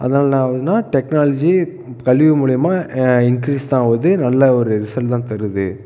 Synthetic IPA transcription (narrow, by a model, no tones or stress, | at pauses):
ʔɐ̰ðɐnaːlɐnãːʋɐðɯnaːʈɛknaːlɐd͡ʒi | kɐlɪʋɯmuːɭɪjɐmaːɪŋkɾiːst̪ãːʋɐðɯnɐlːɐɔɾɯɾɪsɐɭʈt̪ãːt̪ɐɾɯðɯ